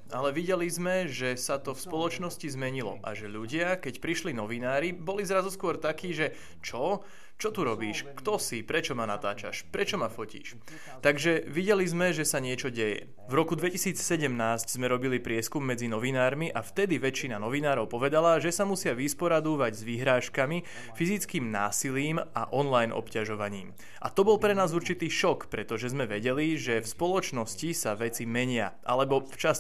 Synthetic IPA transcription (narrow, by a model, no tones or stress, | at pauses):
alɛʋiɟɛlizmɛʒɛsat̪ɔfspɔlɔt͡ʃnɔscizmɛɲilɔ̰ʔa̰ʒɛʎuɟɪakɛcpɾiʃlinɔʋinaːɾibɔlizɾazuskʊɔɾt̪akiːʒɛ | t͡ʃɔ | t͡ʃɔt̪uɾɔbiːʃkt̪ɔsipɾɛt͡ʃɔmana̰t̪a̰ːt͡ʃa̰ʃpɾɛt͡ʃɔmafɔcḭːʃ | t̪aɡʒɛʋiɟɛlizmɛʒɛsaɲɪɛt͡ʃɔɟɛjɛ̰ | vɾɔkud̪ʋɛcisiːt͡ssɛɟɛmnaːsczmɛɾɔbilipɾɪɛskumːɛd͡zinɔʋinaːɾmiʔaft̪ɛd̪iʋɛt͡ʃinanɔʋinaːɾɔʊpɔʋɛd̪alaʒɛsamusɪaʋispɔɾad̪uːʋaɟzʋiɦɾaːʃkami | fizit͡skiːmna̰ːsiliːma̰ʔɔnlajnʔɔ̰pcaʒɔʋaɲiːm | ʔa̰t̪ɔbɔlpɾɛnaːzuɾt͡ʃit̪iːʃɔkpɾɛt̪ɔʒɛzmɛʋɛɟɛliʒɛfspɔlɔt͡ʃnɔscisaʋɛt͡simɛɲɪaʔa̰lɛbɔft͡ʃas